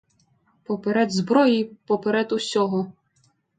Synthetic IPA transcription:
pɔpeɾɛd̪zbɾɔjipɔpeɾɛd̪ʊsʲɔɦɔ

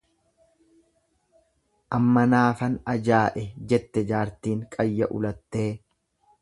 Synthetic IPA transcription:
ʔɐmːɐnaːfɐnɐd͡ʒaːʔɛd͡ʒɛt̪ːɛd͡ʒaːɾt̪iːŋkʼɐjːɐʔʊ̰lɐt̪ːe̞ː

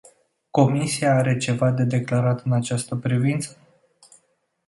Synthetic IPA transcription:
ko̞misiaaɾe̞t͡ʃe̞vad̪e̞d̪e̞klaɾat̪ɨnat͡ʃast̪əpɾivint̪sə̥

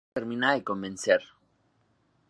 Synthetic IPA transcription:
eɾmĩnaðeko̞mbẽnseɾ

